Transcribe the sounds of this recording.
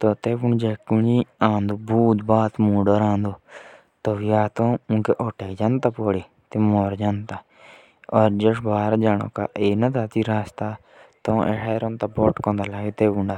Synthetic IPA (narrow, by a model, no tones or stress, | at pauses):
t̪ot̪eːbuɳd͡ʒekunĩãːnd̪obuːd̪baːt̪muːɖəɾãːnd̪o | t̪oʋijaːt̪õːũkeʔoːʈeːkd͡ʒãnt̪aːpoːɽiː | t̪emoːɾd͡ʒaːnt̪a | ɔːɾd͡ʒəʂbaːɾd͡ʒaːno̰ːkaʔeːnat̪at̪iɾaːst̪a | t̪õʔḛʈeːɾõnt̪aboʈkõːnd̪alaːɡet̪eːbuɳɖa